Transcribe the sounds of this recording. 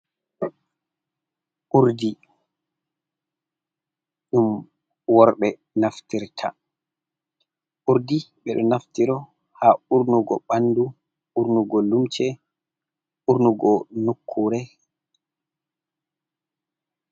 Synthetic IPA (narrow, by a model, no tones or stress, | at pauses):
ʔuɾdi | ɗum | wɔɾɓɛ | naftiɾtʰa̰ | ʔuɾdiɓɛɗɔnaftiɾɔ | hauɾnuɡɔɓanːdu | uɾnuɡɔlumt͡ʃɛ | ʔuɾnuɡɔnukʰːuɾɛ